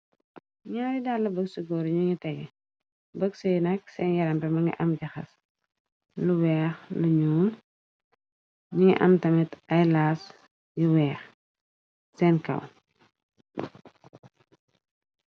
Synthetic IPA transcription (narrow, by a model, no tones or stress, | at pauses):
ɲaːɾidaːlːɐbəksuɡɔːɾɲuŋitɛɡɛ | bəɡsɐjnɐksɛːnjɐɾɐmbɛmɐŋɡḭʔɐmɟɐxɐ̰s | luwɛːxluɲuːm | ɲuŋḭʔɐ̰mtɐmitɐjlaːs | juwɛːx | sɛːnkɐ̰w